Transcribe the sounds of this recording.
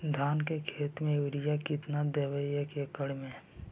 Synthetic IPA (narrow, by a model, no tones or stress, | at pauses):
d̪ʱaːnkekʰeːt̪mẽuɾijakɪt̪nad̪eːʋəjəkekəɽmẽ